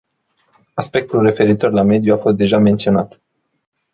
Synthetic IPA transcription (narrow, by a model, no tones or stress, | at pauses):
aspe̞k̚t̪ulre̞fe̞ɾit̪o̞rlame̞d̪juafo̞st̪̚d̪e̞ʒame̞nt̪sio̞nat̪